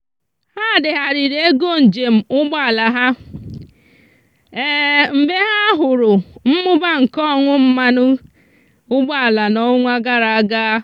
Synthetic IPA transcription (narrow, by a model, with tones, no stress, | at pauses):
ha˦˨dɪ˨ɦa˨ɾɪ˨ɾe˦e˦ɡo˦˨n̩˨d͡ʒe˨m̩˨ʊ˦ɡ͡ba˦˨la˨ɦa˦ | e˦m̩˨be˦ɦa˦ɦʊ˨ɾʊ˨m̩˦mʊ˦ba˦ŋ̩˨kɔ˦˨ŋʷʊ˦m̩˦ma˦nʊ˦ | ʊ˦ɡ͡ba˦˨la˨nɔ˦ŋʷa˦ɡa˦ɾa˨a˦ɡaː˦